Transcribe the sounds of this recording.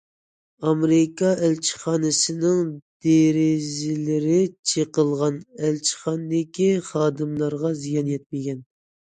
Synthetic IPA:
ɑmɾɪkʰɑɛlt͡ʃʰi̥χɑːnɨsɪnɪŋd̪̥eɾɪzɪlɪɾɪt͡ʃʰeqəlˠʁɑnɛlt͡ʃʰi̥χɑnd̪ɪkʲiχɑːd̪ɨmlˠɑɾʁɑzijɑnjɛt̪̚mɪɡʲɛn

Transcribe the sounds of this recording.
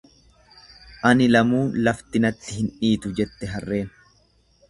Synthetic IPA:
ʔɐnɪlɐmuːnlɐft̪ɪnɐt̪ːɪhɪnᶑiːt̪ʊd͡ʒɛt̪ːɛɦɐrːe̞ːn

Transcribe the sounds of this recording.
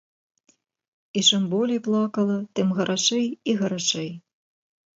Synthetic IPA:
it͡ʂɨmbɔlʲijplˠakɐlˠɐt̪ɨmɣɐɾʔaʂɛjiɣɐɾaʂɛj

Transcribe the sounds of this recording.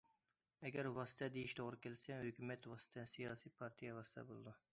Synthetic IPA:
ɐɡəɾʋɑst̪ɛd̪iʃt̪oɾkelsɛɦukumet̪ʋɑst̪ɛsijɑːsiːpʰɑːɾt̪ʰijaʋɑst̪ʰɛ̰bolˠd̪u

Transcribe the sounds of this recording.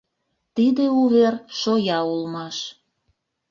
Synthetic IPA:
t̪id̪euβerʃojɑulmɑʃ

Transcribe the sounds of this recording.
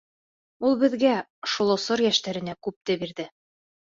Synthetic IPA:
ulˠbɘ̆ðɡæ | ʃŭlˠŏsoɾjæʃt̪æɾɘ̆nækʉp̚t̪ɘbiɾðɘ

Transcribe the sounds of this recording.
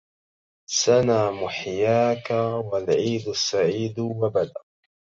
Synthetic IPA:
sanaːmʊħjaːkawalʕiːd̪ʊsːaʕiːd̪wabad̪a

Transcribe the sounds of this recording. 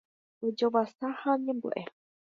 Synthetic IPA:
od͡ʒoʋasahãɲẽmbṵʔe

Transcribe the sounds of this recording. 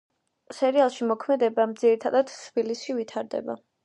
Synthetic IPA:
sɛɾialˠʃimɔkʰmɛd̪ɛbamd̪z̥iɾit̪ʰad̪ad̪̥t̪ʰb̥ilisʃivit̪ʰaɾd̪ɛ̰ba̰

